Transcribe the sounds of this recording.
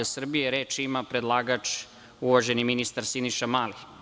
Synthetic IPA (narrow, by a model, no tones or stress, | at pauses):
asr̩bijeɾeːt͡ʃimapɾed̪lˠaːɡat͡ʃ | uʋaʒe̞niminist̪aɾsiniʃamaːli